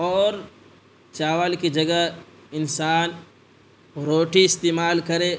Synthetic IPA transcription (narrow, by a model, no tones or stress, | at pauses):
ɔːɾ | t͡ʃaːʋalkid͡ʒɐɡa | ɪnsaːn | ɾoːʈiɪst̪eːmaːlkɐɾeː